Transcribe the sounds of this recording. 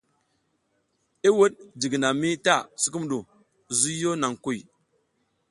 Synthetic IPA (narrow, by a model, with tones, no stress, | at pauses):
i˦wə˦ɗdi˨ɡna˨mi˦ta˦˨si˦ku˦m˨ɗu˨ | zu˦jo˦na˨ŋku˦˨j